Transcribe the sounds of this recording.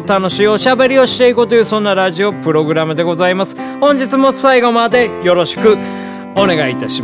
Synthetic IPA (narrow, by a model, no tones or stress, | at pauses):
t̪ano̞ɕiːo̞ɕabe̞ɾʲio̞ɕi̥t̪e̞ikot̪o̞jɯ̟ːsõ̞nːaɾaʑio̞pɯ̟ɾo̞ɡɯ̟ɾamɯ̟d̪e̞ɡo̞zaimasɨ̥ | hõɲ̟d͡ʑit͡sɨmo̞saiɡo̞mad̪e̞jo̞ɾo̞ɕi̥kɯ̟ | o̞ne̞ɡait̪aɕi